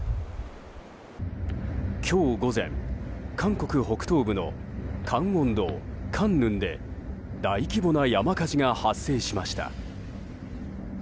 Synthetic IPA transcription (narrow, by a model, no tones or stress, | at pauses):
kʲʰo̞ːɡo̞zẽ̞̰ŋkʰãŋko̞kɯ̟ho̞kɯ̟̥t̪o̞ːbɯ̟no̞̰kʰãŋõ̞nd̪o̞ːkʰãnːɯ̟̃nd̪e̞̰ | d̪aikʲibo̞najamakaʑiŋahasːe̞ːɕimaɕi̥t̪a̰